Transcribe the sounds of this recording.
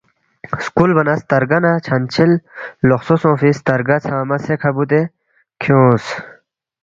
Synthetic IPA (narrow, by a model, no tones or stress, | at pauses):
skulbɐnɐst̪ɐɾɡɐnɐt͡ɕʰɐnt͡ɕʰilloxsosõːfist̪ɐɾɡɐt͡sʰaːmɐsekʰɐbut̪̬e | kʰjõːs